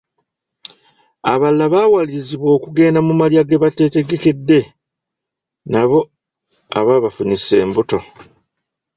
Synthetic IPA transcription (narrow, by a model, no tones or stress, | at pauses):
a̰βalːaβaːwaliɾiziβwo̞ːkuɡe̞ːndamumaljaɡeβate̞te̞ɡe̞ke̞dːe̞ | naβo̞ | a̰βaβafunise̞ːmbuto̞